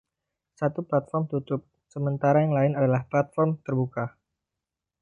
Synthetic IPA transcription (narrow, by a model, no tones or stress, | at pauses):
sat̪uplat̪̚fɔrmt̪ut̪ʊp̚ | səmənt̪aɾajaŋlaɪnadalahplat̪̚fɔrmt̪ərbuka